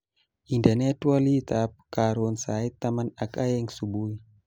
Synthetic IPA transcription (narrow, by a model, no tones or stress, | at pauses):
indanetualit̪ap̚kaɾonsajt̪amanakajɛŋsubuj